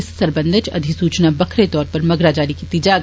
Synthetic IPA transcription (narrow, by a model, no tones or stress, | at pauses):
ɪssɐɾbə̃nd̪ʱɪt͡ʃɐ̰d̪ʱisuːt͡ʃnabɐkʰɾet̪ɔːɾpɐɾmɐɡɾad͡ʒaːlikit̪id͡ʒaɡ